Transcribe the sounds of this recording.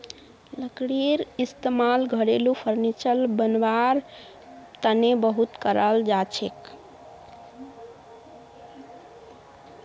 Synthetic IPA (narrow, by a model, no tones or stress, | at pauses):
ləkɽiɾist̪emalɡʱəɽelupʰəɾnit͡ʃəlbənʋaɾ | t̪ənebəɦut̪kəɾəld͡ʒat͡ʃʰḛk